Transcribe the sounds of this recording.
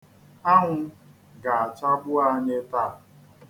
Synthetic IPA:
a˦ŋʷʊ˦ | ɡa˨a˨t͡ʃa˦ɡ͡bʊ˦a˦ɲe˦ta˦˨

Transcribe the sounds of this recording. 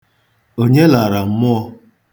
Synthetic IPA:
o˦ɲe˦la˨ɾa˨m̩˦mʊ˦ɔ˦

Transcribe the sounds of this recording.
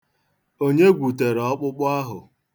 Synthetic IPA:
o˦ɲe˦ɡʷu˨te˨ɾɔ˦k͡pʊ˦k͡pʊ˦a˦ɦʊ˨

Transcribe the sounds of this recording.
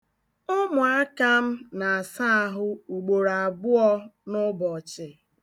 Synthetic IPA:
ʊ˦mʊ˨a˦ka˦m̩˦na˨a˨sa˦a˨ɦʊ˦u˨ɡ͡bo˨ɾa˨a˨bʊ˦ɔ˦nʊ˦bɔ˨t͡ʃɪ˨

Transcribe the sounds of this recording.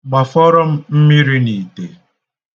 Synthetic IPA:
ɡ͡ba˨fɔ˦ɾɔ˦m̩˦m̩˦mi˦ɾi˦ni˨te˨

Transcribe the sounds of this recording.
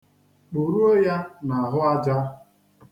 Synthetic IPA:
k͡pu˨ɾu˦o˦ja˦na˨a˨ɦʊ˦a˦d͡ʒa˦

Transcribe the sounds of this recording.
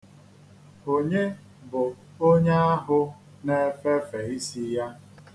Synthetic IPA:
o˨ɲe˦ | bʊ˨ | o˦ɲe˦a˦ɦʊ˦ | ne˦fe˦fe˨i˦si˦ja˦

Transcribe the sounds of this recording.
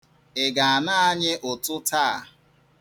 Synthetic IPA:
ɪ˨ɡa˨a˨na˦a˦ɲɪ˦ʔʊ˨tʊ˦taː˦˨

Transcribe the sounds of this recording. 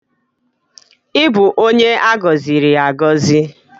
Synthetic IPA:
ɪ˦bʊ˨ʔo˦ɲe˦a˦ɡɔ˨zi˨ɾi˨a˨ɡɔ˦zi˦

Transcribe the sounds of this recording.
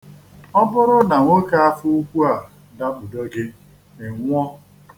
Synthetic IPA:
ɔ˦bʊ˦ɾʊ˦na˨ŋʷo˦ka˦a˦fu˦u˦kʷu˦a˨ | da˦k͡pʊ˨do˦ɡe˦ | e˨ŋʷ˦ɔ˦

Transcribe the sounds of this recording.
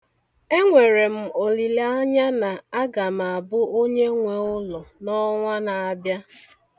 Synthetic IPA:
e˦ŋʷe˨ɾe˨m̩˨o˨li˨la˦ɲa˦na˨a˦ɡa˨m˨a˨a˨bʊ˦o˦ɲe˦ŋʷe˨ʊ˦lɔ˨nɔ˦ŋʷa˦na˨a˨bja˦

